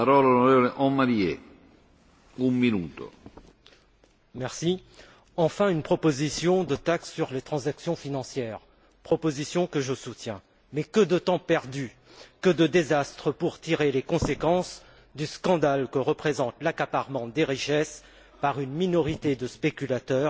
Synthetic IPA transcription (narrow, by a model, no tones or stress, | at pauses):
aɾɔːlalonɔɾeːvɔleʔɔmːaɾiɛ | umminuːt̪o̰ | mɛʁsi | ɑ̃fɛ̃ynpχɔpozisjɔ̃d̪ət̪aksːyʁlet̪χɑ̃zaksjɔ̃finɑ̃sjɛːʁ | pχɔpozisjɔ̃kəʒəsut̪jɛ̃ | mɛkəd̪ət̪ɑ̃pɛʁd̪y | kəd̪əd̪ezast̪χəpuʁt̪iʁelekɔ̃sekɑ̃s | d̪yskɑ̃d̪alkəʁəpχezɑ̃t̪lakapaʁmɑ̃d̪eʁiʃɛs | paʁynminɔʁit̪ed̪əspekʲylat̪œːʁ